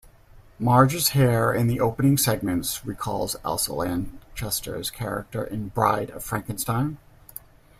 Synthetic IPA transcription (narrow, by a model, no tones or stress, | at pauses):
mɑɹd͡ʒɨz̥hɛɹɪ̃nðiʔoʊpənɪ̃ŋsɛɡ̚mɨ̃ntsɹikʰɔ̰lˠzɛ̰lˠsə̰læ̃nt͡ʃʰɛstʰə̰˞z̥kʰɛɹɨ̰k̚tə̰˞ʔɨ̃nbɹa̰ɪɾʌ̰v̥fɹæ̃ŋkɨ̃nstãɪ̃n